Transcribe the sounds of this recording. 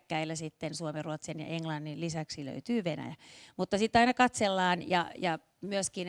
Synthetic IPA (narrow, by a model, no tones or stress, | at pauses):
kːæilːæsit̪ːensuomeruot̪senjɑ̰ʔeŋlɑnːillisæksilø̰yt̪yːʋenæ̰jæmut̪ːɑsit̪ːɑinɑkɑt̪selːɑːnjɑ̰jɑ | myøskin